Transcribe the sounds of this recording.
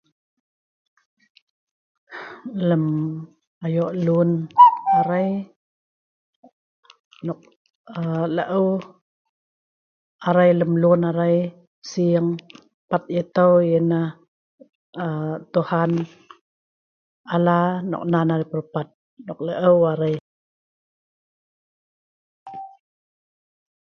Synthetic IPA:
ləm | ajɔʔlunaɾaj | nɔk̚ | ələʔəw | aɾajləmlunaɾaj | siəŋ | pat̪̚it̪awjəna | ət̪uhan | alanɔ̰k̚nanaɾipəɾpat̪̚ | nɔk̚ləʔəwaɾaj

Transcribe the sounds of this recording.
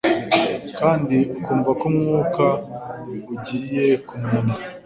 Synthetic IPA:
kaːndikuːɱvakomŋuːka | uɟiɾije̞kumuna

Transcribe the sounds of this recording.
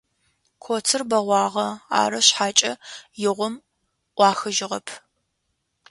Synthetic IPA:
kʷʰoːt͡sʰɨrbɐʁʷɑːʁɐa̰ːɾɐɕħaːt͡ʃʼɐjɪʁʷʊm | ʔʷɑːxɨʒɪʁɐpʰ

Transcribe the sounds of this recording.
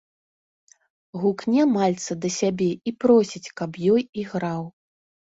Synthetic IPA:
ɣuknʲɛmalʲt̪sɐd̪ɐsʲabʲɛipɾɔsʲit͡sʲkɐpjɔjiɣɾaw

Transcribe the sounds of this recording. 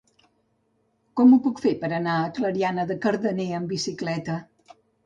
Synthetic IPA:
kɔmupukfepəɾənaəkləɾianəðəkəɾðəneəmbisiklɛt̪ə

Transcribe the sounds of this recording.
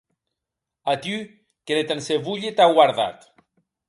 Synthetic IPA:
at̪y | kelet̪anseβuʎet̪aɣwaɾða̰t̪

